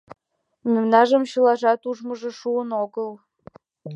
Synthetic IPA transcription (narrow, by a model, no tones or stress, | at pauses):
mʲemnɑʒə̆mɕɯlɑʒɑt̪uʒmɤ̆ʒɤ̆ʃuənoɡəlˠ